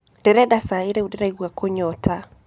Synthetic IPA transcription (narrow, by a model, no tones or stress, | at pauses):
d̥ɛɾɛdasaɪɾeudɛɾɛɡwakʰoɲɔtʰa